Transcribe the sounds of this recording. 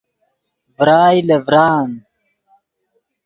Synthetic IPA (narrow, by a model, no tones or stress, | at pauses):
vɾaːjlɐvɾaːn